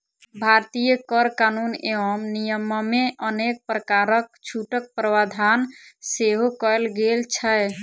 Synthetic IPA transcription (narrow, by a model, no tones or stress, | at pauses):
bʱaɾt̪ijəkəɾkanuneɔmnijəməmeʔənek̚pɾəkaɾək̚t͡ʃʰuʈək̚pɾəʋad̪ʱanseɦokɔjlɡelt͡ʃʰəe